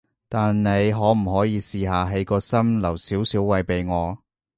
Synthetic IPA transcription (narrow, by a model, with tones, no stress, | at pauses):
t̪aː˨nne˨˧jɦɔː˨˥m̩˨˩ɦɔː˨˥jiː˨˧siː˨ɦaː˨ɦe˨˥jkɔː˧sɐ˥mlɐ˨˩wsiː˨˥wsiː˨˥wwɐ˨˧jpe˨jŋɔː˨˧